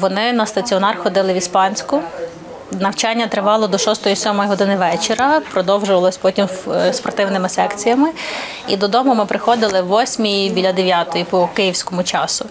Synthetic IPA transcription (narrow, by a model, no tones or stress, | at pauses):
ʋɔnɪnɐst̪ɐt͡sʲiɔnɑrxɔd̪ɪlˠɪʋʲispɑnʲsʲkʊ | nɐwt͡ʃɑnʲːɐt̪ɾɪʋɑlˠɔd̪ɔʃɔst̪ɔjisʲɔmɔjɦɔd̪ɪnɪʋɛt͡ʃeɾɐpɾɔd̪ɔwʒʊʋɐlˠɔsʲpɔtʲimspɔrt̪ɪwnɪmɪsɛkt͡sʲijɐmɪ | id̪ɔd̪ɔmʊmɪpɾɪxɔd̪ɪlˠɪʋɔsʲmʲijiʋʲilʲɐd̪eʋʲjat̪ɔjipɔkɪjiwsʲkɔmʊt͡ʃɑsʊ